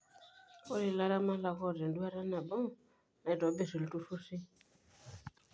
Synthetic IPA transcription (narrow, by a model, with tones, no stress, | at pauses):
ɔ˦ɾi˨la˧ɾa˦ma˦la˧kɔ˦˨dɛ˨n˨du˦a˦ɾa˦na˨bɔ˦˨ | na˨i˨dɔ˨˦be˦˨si˨ltu˧fu˦si˦